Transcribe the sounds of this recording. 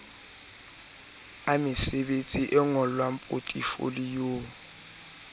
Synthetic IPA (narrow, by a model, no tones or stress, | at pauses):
amɪsɛɓent͡sʼiʔɛŋɔlwampʼotʼifo̰lijoː